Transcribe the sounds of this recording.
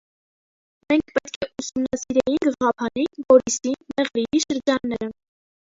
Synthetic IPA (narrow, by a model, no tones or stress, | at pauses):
mɛŋkʰpɛt̪kʰɛʔusumnɑsiɾɛjinɡəʁɑpʰɑnivɔɾisimɛʁɾiiʃəɾd͡ʒɑnːɛɾə